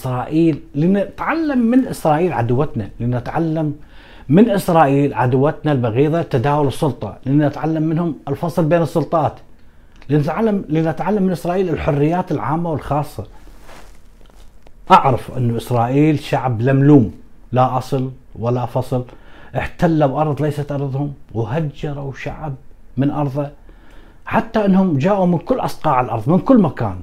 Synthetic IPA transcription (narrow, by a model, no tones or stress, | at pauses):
sɾˤɑːʔiːlːint̪ʕalːamːɪnʔɪsɾˤɑːʔiːlʕa̰d̪ʊwːat̪na̰linɪt̪ʕalːamː | ɪnʔɪsɾˤɑːʔiːlʕad̪wːat̪nalbaɣiːðat̪ːad̪aːwʊlɨsˤːʊlt̪ˤɑ̰lʔɪnːnɪt̪ʕalːamːɪnhʊmɪlfɑsˤlbeːnɨsˤːʊlt̪ˤɑːt̪ | linɪt̪ʕalːamliːnɪt̪ʕalːamːɪnʔɪsɾˤɑːʔiːlɪlħʊrːɪjːaːt̪ɪlʕa̰ːmːawɪlxɑːsˤːɑ | ʔaʕɾafʔɪ̰nːuʔɪsɾˤɑːʔiːlʃaʕblamluːmlaʔɑsˤɨlwalːafɑsˤɨlʔɪħt̪alːabʔɑɾˤðˤlajsat̪ʔɑɾˤðˤhʊmwɦad͡ʒːɑɾˤawʃa̰ʕb̚mɪnʔɑɾˤðˤɑ | ħat̪ːaʔɪnːhʊmd͡ʒaːʔumɪnkʊlːʔɑsˤqɑːʕɪlʔɑɾðˤmɪnkʊlːmaka̰ːn